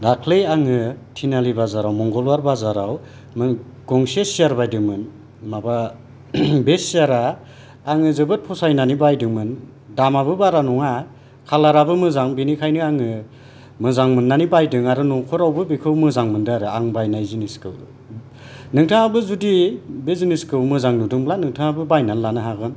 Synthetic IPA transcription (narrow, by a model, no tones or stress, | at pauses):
dakʰlejaŋɯtʰinalibazaɾawmɔŋɡɔlwaɾbazaɾaw | mɯŋ | ɡ̥ɔŋsesiaɾbajdɯŋmɯn | maba | besiaɾaː | ŋɯzɯbɯt̚pʰɔsajnanibajdɯŋmɯn | damabɯbaɾanɔŋa | kʰalaɾabɯmɯzaŋbinikʰajnɯaŋɯ | mɯzaŋmɯnːanibajdɯŋaɾɯnɔŋkʰɔɾawbɯbikʰɯwmɯzaŋmɯndɯaɾɯaŋbajnajziniskɯ̰w | nɯŋtʰɯŋabɯzudibeziniskɯwmɯzaŋnudɯŋblanɯŋtʰɯŋabɯbajnalːanɯɦaɡɯn